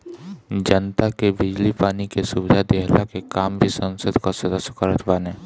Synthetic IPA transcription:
d͡ʒənt̪akebɪd͡ʒlipaːnikesubɪd̪ʱad̪eɦlakekaːmbʱisənsəd̪ʱkasəd̪əsjəkəɾət̪ʰbaːne

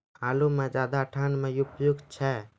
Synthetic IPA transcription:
alumed͡ʒad̪aʈʰanmejupjuɡt͡ʃʰɛ

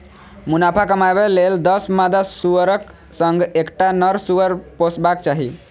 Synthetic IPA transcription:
munapʰakəmabeleld̪əsmad̪asuəɾək | səŋɡekʈanəɾsuʋəɾposbakt͡ʃaɦi

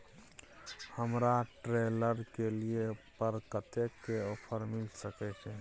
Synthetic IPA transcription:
həmɾaʈɾeləɾkeliepəɾkət̪ekːeopʰəɾmilsəkɛt͡ʃɛ̃

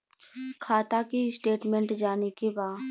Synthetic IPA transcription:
kʰaːt̪akisʈeːʈmẽɳʈd͡ʒaːnekebaː

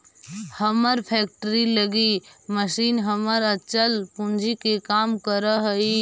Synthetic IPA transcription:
həməɾpʰɛk̚ʈəɾiləɡiməsiːnɦəməɾətːt͡ʃəlpũnd͡ʒʱikekaːmkəɾəɦəi

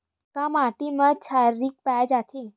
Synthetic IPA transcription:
kãmaʈiməd̪̚t͡ɕʰaɾːiːk̚pad͡ʑat̪ʰe

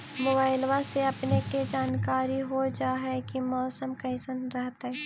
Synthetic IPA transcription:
moːbaːɪlʋaseɐpneked͡ʒaːnkaːɾiɦod͡ʒaːɦɛkimɔːsəmkɐɪsənɾɐɦt̪ɦɛ

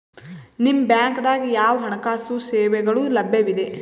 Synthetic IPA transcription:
nimːbjaːŋkd̪aːɡijaːʋɐɦɐɳɐkaːsuseːʋɛɡɐɭulɐbʱjɐʋid̪e̞

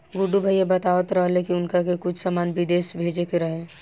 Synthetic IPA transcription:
ɡʊɖubʱəjjebɐt̪aːʋət̪ɾəɦlekiʊnkakekʊt͡ʃʰsamaːnbɪd̪eːʃbʱeːd͡ʒekeɾɐɦẽː

